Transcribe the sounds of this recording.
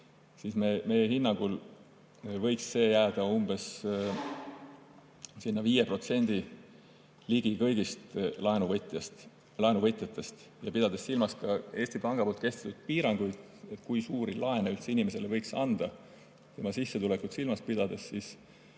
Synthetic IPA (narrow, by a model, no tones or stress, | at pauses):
sismemejehinːɑŋɡ̥ul | vɤ̞jksːe̞ːjæːd̪̥ɑumb̥e̞s | sinːɑviːjepro̞t̪se̞nʲd̪̥i | liɡ̥ikɤjɡ̥ist̪lɑenuvt̪ˑjɑst̪ | lɑenuvɤt̪ːˑjɑt̪ˑːe̞st̪ | jɑpid̪ɑd̪̥esːilmɑskɑe̞ːst̪ipɑŋɡ̥ɑpolt̪ke̞st̪e̥t̪ːut̪̚piːɾɑŋɡ̥ujd̪̥ | et̪ˑkujsuːɾilɑe̞neylt̪sinimese̞levɤjksɑnd̪̥ɑ | t̪e̞mɑsisːet̪ulekut̪silmɑspid̪̥ɑd̪̥e̞ssis